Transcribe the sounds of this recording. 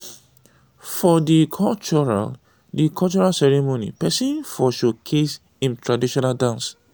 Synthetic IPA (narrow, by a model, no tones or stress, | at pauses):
fɔdikʰɔlt͡ʃɔɹa̰l | dikʰɔt͡ʃɔɹalsɛɹimonḭpɛsĩnfɔʃokʰes | ĩntʰɹadiʃɔnaldãns